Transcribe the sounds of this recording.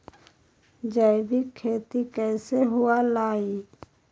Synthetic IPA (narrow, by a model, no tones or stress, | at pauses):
d͡ʒəjbikʰːeːt̪ikɛːseɦʊalaːi